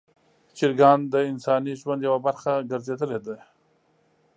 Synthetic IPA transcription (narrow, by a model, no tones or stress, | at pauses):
t͡ʃiɾɡɑnd̪əɪnsɑniʒwand̪jawabaɾxaɡəɾzed̪əled̪a